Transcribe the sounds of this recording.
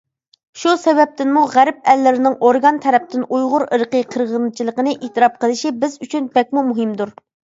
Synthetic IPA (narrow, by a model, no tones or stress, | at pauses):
ʃusɛvɛp̚t̪ɪnmuʁæɾp̚ɛlːɪɾɪnɪŋoɾɡɑnt̪ʰɛɾɛp̚t̪ɪnujʁʊɾəɾqəqʰəɾʁənɨt͡ʃʰilˠəqənɨʔet̪ɨɾɑp̚qəlˠɨʃibɪzyt͡ʃʰynbɛk̚ʲmumuɦɪmd̪uɾ